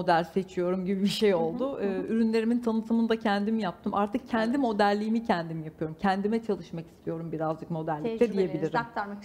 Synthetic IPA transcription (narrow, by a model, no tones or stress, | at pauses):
od̪ælʲse̞t͡ʃʰijo̞ɾumɟibibiʃe̞jo̞lˠd̪ʊɯːyɾynlʲe̞ɾimint̪ʰanɯt̪ʰɯmɯnd̪acʰænd̪imjap̚t̪ʰɯmʔaɾt̪ʰɯk̚cʰænd̪imo̞d̪æɾlʲijːmicʰænd̪imjapɯjo̞ɾumcʰænd̪imɛt͡ʃʰalˠɯʃmaki̥st̪ʰijo̞ɾumbiɾazd͡ʒɯkmo̞d̪æɾlʲict̪ɛd̪ije̞bilʲiɾimk̚t̪ɾma